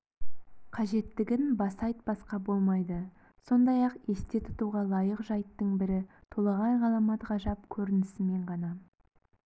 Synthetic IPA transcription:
qʰɑʒe̞t̪ːɪɡʲɪnbɑsɑjt̪̚b̥ɑsqɑbo̞lˠmɑjd̪ə | so̞nd̪ɑjɑqe̞st̪e̞t̪ʰʊ̥t̪uʁɑlˠɑjəqʒɑjt̪ːəɴbɪɾɪt̪ʰolˠɑʁɑjʁɑlˠɑmɑt̪ʁɑʒɑp̚kʲʰɵɾɪnɪsɪme̞ɴʁɑnɑ

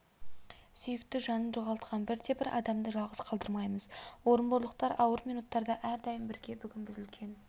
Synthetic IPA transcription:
sʏjɪkt̪ɪʒɑnənʒo̞ʁɑlˠt̪qʰɑnbɪɾt̪ʰe̞bɪɾʔɑ̰d̪ɑmd̪əʒɑlˠʁəz̥qʰɑlˠd̪əɾmɑjməz̥wo̞ɾənboɾlˠəq̚t̪ɑɾɑwəɾmijnut̪ːɑɾd̪ɑʔæɾd̪ɑjəmbɪɾɡʲe̞bʏɡʲɪnbɪzʏlkʲʰe̞n

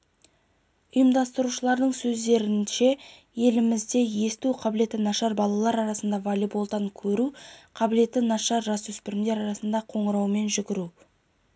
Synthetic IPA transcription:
ʊjəmd̪ɑst̪əɾuʃəlˠɑɾd̪əɴsɵzd̪e̞ɾɪnʃe̞ | je̞lɪmɪzd̪e̞je̞st̪uqʰɑbɪle̞t̪ɪnɑʃɑɾbɑlˠɑlˠɑɾɑɾɑsənd̪ɑvalʲibolˠt̪ɑŋkʲʰɵɾuqʰɑbɪle̞t̪ːɪnɑʃɑɾʒɑsɵspɪɾɪmd̪e̞ɾɑɾɑsənd̪ɑqʰo̞ɴəɾɑwme̞nʒʏɡʲɪɾu

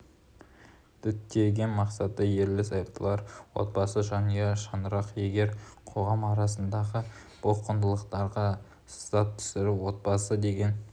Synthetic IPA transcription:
d̪̥ʏt̪ːe̞ɡʲɪnmɑqsɑt̪əje̞ɾlɪsɑjp̚t̪ʰəlˠɑɾwo̰t̪̚bɑsəʒɑnəjɑʃɑnəɾɑqje̞ɡʲe̞ɾqʰo̞ʁɑmɑɾɑsənd̪ɑʁə | b̥oqənd̪əlˠəqt̪ɑɾʁɑ | st̪ɑp̪̚t̪ʰʏ̥sɪɾɪwo̞t̪̚bɑsəd̪e̞ɡʲe̞n

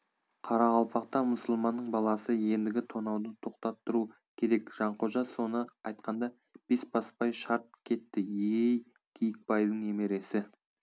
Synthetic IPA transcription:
qʰɑɾɑʁɑlˠpʰɑqt̪ɑmʊsəlˠmɑnːəɴbɑlˠɑsəje̞nd̪ɪɡʲɪt̪ʰo̞nɑwd̪ət̪ʰo̞qt̪ɑt̪ːəɾu | kʲʰe̞ɾe̞kʒ̥ɑɴqʰo̞ʒɑso̞nəɑjt̪qɑnd̪ɑ | b̥e̞spʰɑspɑjʃɑɾt̪̚kʲʰe̞t̪ːɪjej | kʲʰijk̚pɑjd̪əɴeme̞ɾe̞sɪ

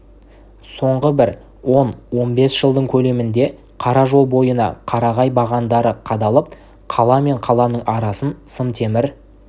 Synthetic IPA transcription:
so̞ɴʁəbɪɾ | wo̞nwo̞nbe̞sʒ̥əlˠd̪əɴkʲʰɵle̞mɪnd̪e̞ | qʰɑɾɑʒo̞lˠbojənɑ̰qʰɑɾɑʁɑjbɑʁɑnd̪ɑɾəqʰɑd̪ɑlˠəp̚ | qʰɑlˠɑme̞ɴqʰɑlˠɑnəɴɑɾɑsənsənt̪ʰe̞mɪɾ

